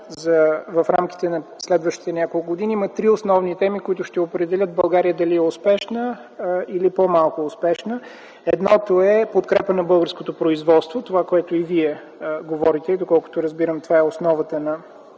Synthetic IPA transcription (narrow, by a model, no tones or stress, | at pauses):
zɐvɐfɾamki̥t̪ɛnɐslɛd̪vəʃt̪i̥t̪ɛnʲjakolˠkɡoʊd̪iniimət̪ɾiosnɔvnit̪ɛmikoit̪ʊʃt̪ɛopɾɛd̪ɛlʲət̪̚bɐlˠɡaɾijəd̪ɐliɛʊspɛʃnə | ilipomalˠkʊːspɛʃnə | ɛd̪nɔt̪oɛpot̪kɾɛpənɐbɤlˠɡəɾskot̪opɾoizvɔt̪st̪vot̪ovakoɛt̪ʊiviɛ | ɡovɔɾit̪ɛid̪okɔlˠkʊ̥t̪oɾəzbiɾəmt̪ovaɛosnɔvət̪ənɐ